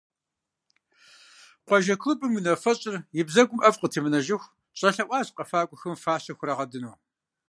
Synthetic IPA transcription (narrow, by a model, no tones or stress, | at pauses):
qʷɑʒɐkʰlɨbɨmɨnɐfɐɕʼɪrjɪbzɐɡʷʊmʔɐfqətʰiːmɨnɐʒɪxʷ | ɕʼɐɬɐʔʷɑːɕqɐfaːkʷʼʊxɐmfaːɕɐxʷrɐʁɐdɨnuː